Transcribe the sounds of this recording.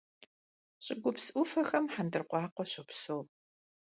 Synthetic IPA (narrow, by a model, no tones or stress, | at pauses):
ɕʼɪɡʷʊpsʔʊfɐxɐmħandɨrqʷɑːqʷɔɕɪpsowp